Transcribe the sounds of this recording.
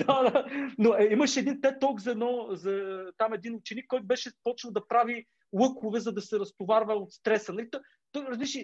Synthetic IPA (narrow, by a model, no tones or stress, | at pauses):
d̪̥ad̪anoɛiməʃɛd̪int̪ɛt̪ɔkzɐɛd̪nɔzɐt̪amɛd̪inʊt͡ʃɛnikːɔjt̪ʊbɛʃɛpɔt͡ʃnɐlˠd̪ɐpɾavi | lˠɤkovɛzɐd̪ɐsɛɾɐst̪ovaɾvɐot̪st̪ɾɛsənɐlit̪ɔ | t̪ɔjɾɐzbiʃi